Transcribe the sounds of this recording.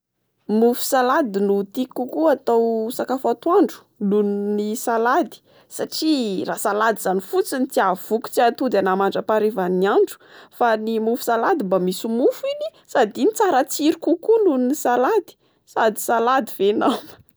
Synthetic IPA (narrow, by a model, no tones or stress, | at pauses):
mufu̥salad̪inut̪ikːukuat̪awsakafat̪waɳɖ͡ʐu̥ | lunnisalad̪i̥ | saʈ͡ʂirasalad̪izanifut͡sinit͡s̪iav̥uku̥t͡siat̪ud̪anamaɳɖ͡ʐəpaɾevaniaɳɖ͡ʐu̥fanimufu̥salad̪imbamisumufini̥ | sad̪init͡saɾat͡siɾikukulunnisalad̪i̥ | sad̪i̥salad̪ivenam